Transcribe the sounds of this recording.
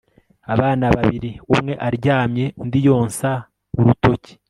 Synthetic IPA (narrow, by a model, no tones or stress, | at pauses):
aβaːnaβaβiɾiumŋe̞ʔaɾɟaːmɲe̞ndijo̞ːnsa | uɾuto̞ci̥